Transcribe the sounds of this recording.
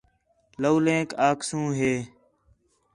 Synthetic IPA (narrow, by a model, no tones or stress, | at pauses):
ləːlẽːkaːksũːɦeː